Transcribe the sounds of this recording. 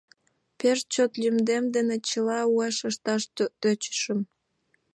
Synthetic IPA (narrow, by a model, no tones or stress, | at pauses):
peʃt͡ɕot̪lʲymd̪emd̪enet͡ɕəlɑueʃəʃt̪ɑʃt̪t̪øt͡ɕə̥ʃəm